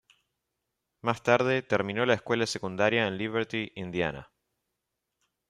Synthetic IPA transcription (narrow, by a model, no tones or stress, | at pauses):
mast̪aɾðe̞t̪eɾmĩno̞laeskwe̞lase̞kund̪aɾjaenliβeɾt̪iʔind̪ja̰na̰